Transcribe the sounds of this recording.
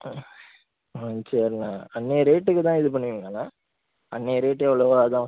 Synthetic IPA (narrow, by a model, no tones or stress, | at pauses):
ɐnt͡ʃeːɾnaːɐnːeːɾeːʈːɯkːɯt̪ãːɪðɯp̬ɐɳːɯʋiːŋɡɐnaː | ɐnːeːɾeːʈːɯɛʋɐɭoɐt̪ãː